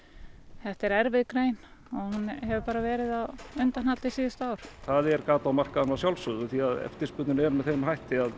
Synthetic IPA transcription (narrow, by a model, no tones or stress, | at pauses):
θɛht̪ɛɾɛɾvɪðkɾeːjnɔhunɦɛvʏpaːɾavɛːɾɪðaðʏnt̪anhat̪lɪsiːðɪst̪aːwɾ̥θaðɛɾkaːt̪lawmar̥kaðanawsjawlsʏðʏθiaðɛ̰ft̪ɪ̥spʏt̪ɪnɛɾmɛðθejmɦajht̪ɪað